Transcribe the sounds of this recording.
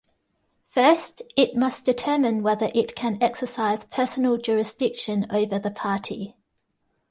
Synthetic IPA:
fɜˑstɪʔ̚mʌsd̥ɪtʰɜːmɪ̃nwɛðəɹʔɪtkʰə̃nɛksəsaɪz̥pʰɜˑsənəlˠd͡ʒɔːɹɪsd̥ɪkʃə̃nə̰ʊvəðəpʰɑˑtʰḭ

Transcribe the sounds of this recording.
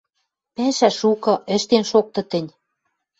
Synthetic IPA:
pæʃæʃukɤ̆ʔɘ̆ʃt̪enʃok̚t̪ɤ̆t̪ɘ̆nʲ

